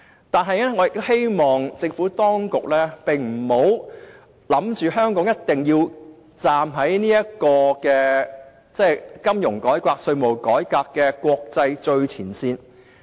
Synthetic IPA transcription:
t̪aː˨nɦɐ˨jnɛː˥ŋɔː˨˧jɪ˨k̚t̪he˥jmɔː˨˩ŋt͡sɪ˧ŋfu˨˥t̪ɔː˥ŋkʊ˨k̚lɛː˥pɪ˨ŋm̩˨˩ho˨˥w | lɐ˨˥mt͡ʃyː˨ɦœː˥ŋkɔː˨˥ŋjɐ˥t̚t̪ɪ˨ŋjiː˧w | t͡saː˨mɦɐ˨˥jniː˥jɐ˥kɔː˧kɛː˧ | t͡sɛː˥˩kɐ˥mjʊ˨˩ŋkɔː˨˥jkʷaː˧k̚sɵ˧ɥmo˨˩wkɔː˨˥jkaː˧kːɛː˧kʷwɔː˧k̚t͡sɐ˧jt͡ʃɵ˧ɥt͡sʰiː˨˩nsiː˧n

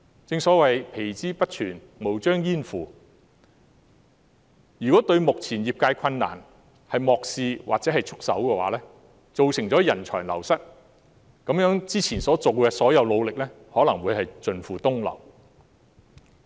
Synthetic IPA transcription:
t͡sɪ˧ŋsɔː˨˥wɐ˨jpʰe˨˩jt͡siː˥pɐ˥t̚t͡ʃʰyː˨˩n | mo˨˩wt͡ʃœː˥ŋjiː˥nfuː˨ | jyː˨kɔː˨˥t̪ɵ˧ɥmʊ˨k̚t͡sʰiː˨˩njiː˨p̚kaː˧jkʷʰɐ˧nːa̰ː˨˩n | hɐ˨jmɔː˨k̚siː˨˧wʔaː˨k̚t͡sɛː˨˥hɐ˨jt͡sʰʊ˥k̚sɐ̰˨˥wkɛː˧wa̰ː˨˥lɛː˥ | t͡so˨wsɪ˨˩ŋt͡sɔː˨˥jɐ˨˩nt͡ʃʰɔ̰ː˨˩ŋlɐ˨˩wsɐ˥t̚ | kɐ˨˥mjœː˨˥ŋt͡siː˥t͡sʰiː˨˩nsɔː˨˥t͡so˨wkɛː˧sɔː˨˥jɐ˨˧wlo˨˧wlɪ˨k̚lɛː˥ | hɔː˨˥lɐ˨˩ŋwuː˨˧jhɐ˨jt͡sɵ˨nfuː˨t̪ʊ˥ŋlɐ̰˨˩w

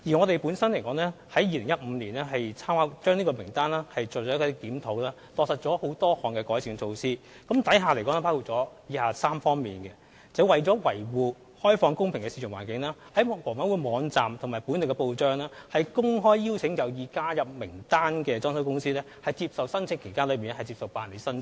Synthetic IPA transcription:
jiː˨˩ŋɔː˨˧t̪e˨jpuː˨˥nsɐ˥nle˨˩kɔː˨˧˥ŋlɛː˥hɐ˨˥jiː˧lɪ˨˩ŋjɐ˥t̚m̩˨˧liː˨˩nlɛː˥ɦɐ˨jt͡sʰaː˥maː˨˥t͡ʃœː˥ŋniː˥kɔ˧mɪ˨˩ŋt̪aː˥nlɛː˥hɐ˨jt͡sɔː˨˩ɔ˨˦˥kɔ˧˥k̪iː˨˥mt̪ʰo˨˥wlɛː˥ | t̪ɔː˧k̚sɐ˨˩t̚t͡sɔː˨˥ho˨˥wt̪ɔː˥hɔː˨ŋkɛ˧kɔː˨˥jsʰɪ˨˥ŋt͡sʰo˧wsiː˥ | kɐ˨˥mt̪ɐ˨˥jɦaː˨˧le˨˩jkɔː˨˧˥nɛː˥pʰaː˥kʰu˨˩t̚t͡sɔː˨˥jiː˧˥haː˨˧saː˥mfɔː˥ŋmḭː˨˩nkɛ˧ | t͡sɐ˨˩wwɐ˨jt͡sɔː˨˥wɐ̰˨˩jwuː˨ | hɔː˥jfɔː˧ŋkʊ˥ŋpʰɪ˨˩ŋkɛ˧siː˧˩ʊ˨˩ŋwa̰ː˨˩nkɪ˨˥ŋlɛː˥hɐ˨˥jwɔː˨˩wɐ˨˥nwuː˨˧mɔː˨˧ŋt͡saː˨mt̪ʰʊ˨˩ŋmaː˨˩jpu˨˥nlkɛ˧po˧wt͡ʃœː˥ŋlɛː˥hɐ˨jkʊ˥ŋɦɔː˥jːiː˥wt͡sʰɪ˨˥ŋjɐ˨˩wjiː˨kaː˥jɐ˨p̚mɪ˨˩ŋt̪aː˥nkɛː˧t͡sɔː˥ns̬ɐ˥wkʊ˥ŋsiː˥lɛː˥hɐ˨jt͡siː˧p̚sɐ˨wsɐ˥nt͡sʰɪ˧˨ŋkʰe˨˩jkaː˥lɵ˨˧ɥmi˨nɛ˥hɐ˨jt͡siː˧psɐ˨wpaː˨nle˨˧jsɐ˥n

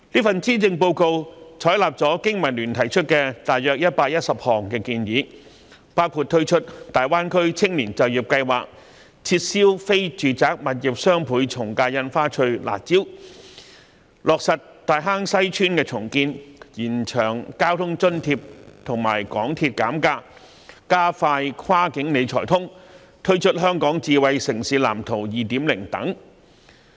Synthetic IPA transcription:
liː˥fɐ˨nt͡siː˥t͡sɪ˧ŋpo˧wko˧wt͡ʃʰɔː˨˥jlaː˨p̚t͡sɔː˨˥kɪ˥ŋmɐ˨˩nlyː˨˩nt̪ʰɐ˨˩jt͡ʃʰɵ˥t̚kɛː˧t̪aː˨jœː˨k̚jɐ˥t̚paː˧k̚jɐ˥t̚sɐ˨p̚hɔː˨˩ŋkɛː˧kiː˧njiː˨˥ | paː˥wkʰuː˨˧t̚t̪ʰɵ˥ɥt͡ʃʰɵ˥t̚t̪aː˨jwaː˥nkʰɵ˥ɥt͡sʰɪ˥ŋliː˨˩nt͡sɐ˨˩wjiː˨˩p̚kɐ˧jwa̰ː˨k̚ | t͡sʰiː˧t̚siː˥wfe˥jt͡ʃyː˨t͡saː˨˥k̚mɐ˨t̚jɪ˨˩p̚sœː˥ŋpʰuː˨˥jt͡sʰʊ˨˩ŋkaː˧jɐ˧nfaː˥t͡ʃʰɵ˧ɥla̰ː˨˩t͡siː˥w | lɔː˨k̚sɐ˨t | t̪aː˨jɦaː˥ŋsɐ˥jt͡ʃʰyː˥nkɛː˧t͡sʰʊ˨˩ŋkiː˧njiː˨˩nt͡ʃʰœː˨˩ŋkaː˥wt̪ʰʊ˥ŋt͡ʃɵ˥nt̪ʰiː˧p̚t̪ʰʊ˨˩ŋma̰ː˨˩jkɔː˨˥ŋt̪ʰiː˧t̚kaː˨˥mkaː˧ | kaː˥faː˧jkʰaː˥kɪ˨˥ŋne˨˧jt͡ʃʰɔː˨˩jt̪ʰʊ˥ŋ | t̪ʰɵ˥ɥt͡ʃʰɵ˥t̚ɦœː˥ŋkɔː˨˥ŋt͡siː˨˧wɐ˨˧jsɪ˨˩ŋsiː˨˥la̰ː˨˩mt̪ʰo˨˩wjiː˨t̪iː˨˥mlɪ˨˩ŋt̪ɐ̰˨˥ŋ

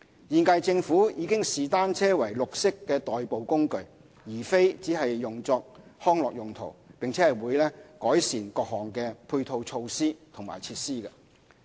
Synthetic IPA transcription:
jiː˧nkɐ˧jt͡sɪ˧ŋfuː˨˥jiː˨˧kɪ˥ŋsiː˨t̪aː˥nt͡sʰɛː˥wɐ˨˩jlʊ˨k̚sɪ˥kːɛː˧t̪ɔː˨jpo˨wkʊ˥ŋkɵ˧ɥ | jiː˨˩fe˥jt͡siː˨˥ɦɐ˨jːʊ˨ŋt͡sɔː˧k̚hɔː˥ŋlɔː˨k̚jʊ˨˩ŋt̪ʰo̰˨˩wpɪ˨ŋt͡sʰɛː˨˥hɐ˨jwuː˨˧jlɛː˥kɔː˨˥jsiː˨˩nkɔː˧k̚ɦɔː˨ŋkɛː˧pʰuː˧jt̪ʰo˧wt͡sʰo˧wsiː˥t̪ʰʊ˨˩ŋma̰ː˨˩jt͡sʰiː˧t̚siː˥kɐ˧

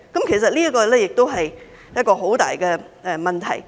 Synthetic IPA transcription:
kɐ˨˥mkʰe˨˩js̬ɐ˨t̚liː˥ɐ˥kɔː˧lɛː˥jɪ˨k̚t̪o˥wɦɐ˨j | jɐ˥t̚kɔː˧ɦo˨˥wt̪a̰ː˨jkɛː˧ | ʔɛ˨mɐ˨nt̪ʰɐ̰˨˩j

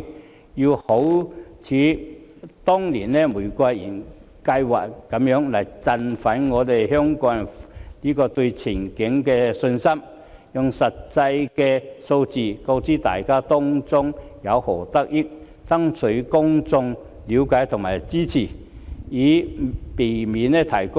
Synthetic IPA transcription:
ji˧who˨˥wt͡sʰiː˨˥ | t̪ɔː˥ŋliː˨˩nlɛː˥muː˨˩jkʷa˧jḭː˨˩n | kɐ˧jwa̰ː˨˩kkːɐ˨˧˥mjœː˨˧˥ŋlɐ˨˩jt͡sɐ˧nfɐ˨˥nŋɔː˨˧t̪e˨jɦœː˥ŋkɔː˨˥ŋ˨liː˥kɔː˧t̪ɵ˧ɥt͡sʰɪ˨˩ŋkɪ˨˥ŋkɛː˧sɵ˧nsɐ˥m | jʊ˨ŋsɐ˨tt͡sɐ˧jkɛː˧so˧wt͡siː˨ko˧wt͡siː˥t̪a̰ː˨jkaː˥t̪ɔː˥ŋt͡sʊ˥ŋjɐ˨˧whɔː˨˩t̪ɐ˥k̚jɪ˥k̚ | t͡sɐ˥ŋt͡sʰɵ˨˥ɥkʊ˥ŋt͡sʊ˧ŋ | liː˨˧˥wkaː˨˥jt̪ʰʊ˨ŋmaː˨˩jt͡siː˥t͡sʰiː˨˩iː˨˥pe˨˩jmiː˨˥nɛ˥t̪ʰɐ˨˩jkʊ˥

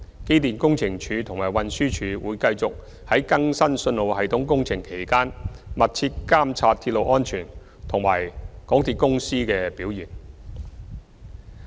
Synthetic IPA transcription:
ke˥jt̪iː˨nkʊ˥ŋt͡sʰɪ˨˩ŋt͡ʃʰyː˨˧t̪ʰʊ˨˩ŋmaː˨˩jwɐ˨nsyː˥t͡ʃʰyː˨˧wuː˨˧jkɐ˧jt͡sʊ˨k̚ | hɐ˨˥jkɐ˥ŋsɐ˥nsɵ˧nlo˨˧whɐ˨jt̪ʰʊ˨˥ŋkʊ˥ŋt͡sʰɪ˨˩ŋkʰe˨˩jkaː˥nmɐ˨t̚t͡sʰiː˧t̚kaː˥mt͡sʰaː˧t̪̚ʰi˧t̚lo˨˧wʔɔː˥nt͡ʃʰyː˨˩n | t̪ʰʊ˨˩ŋma̰ː˨˩jkɔː˨˥ŋt̪ʰiː˧t̚kʊ˥ŋsiː˥kɛː˧piː˨˥wjiː˨˩n

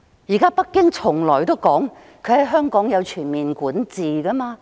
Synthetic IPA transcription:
jiː˨˩kaː˥pɐ˥t̚kːɪ˥ŋt͡sʰʊ˨˩ŋlɔː˨˩jt̪o˥wkɔː˨˥ŋ | kʰɵ˨˧ɥhɐ˨˥jɦœː˥ŋkɔː˨˥ŋjɐ˨˧wt͡ʃʰyː˨˩nmiː˨nkuː˨˥nt͡siː˨kɐ˥maː˧

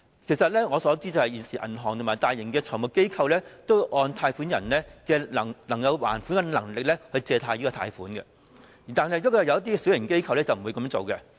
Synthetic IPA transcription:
kʰe˨˩jsɐ˨t̚lɛː˥ŋɔː˨˧sɔː˨˥t͡siː˥t͡sɐ˨whɐ˨jiː˨˩nsiː˨˩ʔɐ̰˨˩nɦɔː˨˩ŋt̪ʰmaː˨˩jt̪aː˨jːɪ˨˩ŋkɛː˧t͡sʰɔː˨˩ŋmʊ˨kːe˥jkʰɐ˧wlɛː˥t̪o˥wʔɔː˧nt̪ʰaː˧jfuː˨˥njɐ̰˨˩nlɛː˥kɛː˧lɐ˨˩ŋnɐ˨˩ŋkɐ˨˧wwa̰ː˨˩nfuː˨˥nkɐ˧nlɐ˨˩ŋlɪ˨k̚lɛ˥hɵ˧ɥt͡sɛː˧t̪ʰaː˧ji˥kɔ˧t̪ʰa̰ː˧jfuː˨˥nkɛ̰˧ | i˨˩t̪aː˨˧nhɐ˨jɔ˥kɔ˨˧˩jɐ˨˧wjɐ˥t̪̬iː˥ɛ˧si˨˥wjɪ˨˩ŋke˥jkʰɐ˧wlɛː˥t͡sɐ˨wm̩˨˩u˨˧kɐ˨˥mː˥ŋt͡so̰˨wkɛ˧

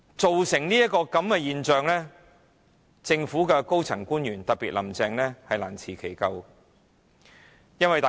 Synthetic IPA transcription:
t͡so˨wsɪ˨˩ŋniː˥jɐ˥t̚kɔː˧kɐ˨˥mkɛː˧jiː˨nt͡ʃœː˨˧ŋlɛː˥ | t͡sɪ˧ŋfuː˨˥kɛ˧ko˥wt͡sʰɐ˨˩ŋkuː˥njyː˨˩nt̪ɐ˨t̚piː˨t̚lɐ˨˩mt͡sɛː˧ŋlɛː˥hɐ˨jlaː˨˩nt͡sʰiː˨˩kʰe˨˩jkɐ˧w | jɐ˥nwɐ˨jt̪aː˨

